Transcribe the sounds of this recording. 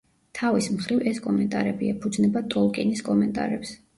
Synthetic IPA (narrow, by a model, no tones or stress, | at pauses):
t̪ʰavismχɾivɛskʼɔmɛnt̪ʼaɾɛbiɛpʰud̪znɛbat̪ʼɔlˠkʼiniskʼɔmɛnt̪ʼa̰ɾɛps